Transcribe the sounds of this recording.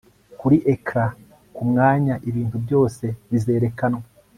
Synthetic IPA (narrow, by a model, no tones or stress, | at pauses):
kuɾiʔekɾa | kumŋaːɲaʔiβiːntubɟo̞ːse̞βize̞ːɾe̞kanwa